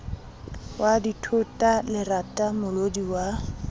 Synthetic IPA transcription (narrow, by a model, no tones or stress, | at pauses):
waditʰʊtʼalɪratʼamʊlodiwa